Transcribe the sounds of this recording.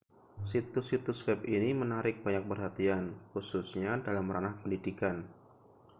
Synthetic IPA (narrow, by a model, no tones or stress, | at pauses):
sit̪usit̪uswɛp̚inimənaɾɪk̚baɲak̚bərɦat̪ianxususɲadalamɾanahpəndidikan